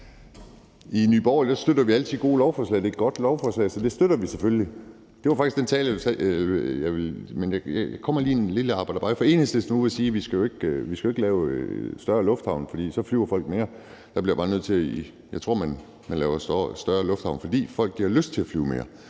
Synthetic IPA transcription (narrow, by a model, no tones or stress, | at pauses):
iny̰ːb̥ɒ̰ːld̥æsd̥ød̥ɐʋiælt͡sʰið̩̰ˠɡ̥o̝̰ːlɒʊfɒːslɛ̰ɪdeed̥̚ɡ̥ɒ̽d̥lɒʊfɒːslɛ̰ɪsɒ̽d̥e̝sd̥øɾ̥ɐʋisefølli | d̥e̝ʋɑ̈fɑ̈ɡ̥isɡ̥d̥ent͡sʰɛ̰ːləsɛlɐjɑɪʋelmenjɑjjkʰɒ̽mɐliːenliləɑ̈ːb̥ɑ̈ɪd̥ɐ̥b̥ɑ̈ːɪfɒe̝̰ːnəsd̥esnuesiːʋisɡ̥æjoe̝ɡ̥ʋisɡ̥oeɡəlɛːʊsd̥ɶɐlɔ̽fd̥hɑ̈ʊnfɒ̽d̥ḭːsɒ̽flyʊɐfɒ̽l̰ɡ̥me̝ːɐ | d̥ɑ̈b̥liɐ̰jɐb̥ɑːnøð̞̰ˠt͡sʰe̝ | jɑ̈ɪt͡sʰʁo̝̰ɐ̰mæn | mænlɛːʊɐssd̥ɶɐlɔ̽fd̥hɑ̈ʊnfɒ̽d̥ḭːfɒ̽l̰ɡ̥̚ːiɐløsd̥̚t͡sʰe̝læfly̰ːʊme̝ːɐ